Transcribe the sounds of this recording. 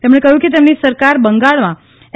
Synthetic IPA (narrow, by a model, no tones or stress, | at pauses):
t̪emɳekəɦjũket̪emnisəɾkaɾbəŋɡaɭmã